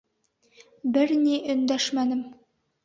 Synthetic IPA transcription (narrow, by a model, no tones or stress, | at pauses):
bɘɾniʔɵ̆nd̪æʃmænɘm